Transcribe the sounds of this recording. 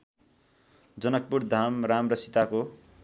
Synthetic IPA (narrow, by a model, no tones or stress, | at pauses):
d͡zʌnʌk̚puɾd̪ʱamramrʌsit̪ako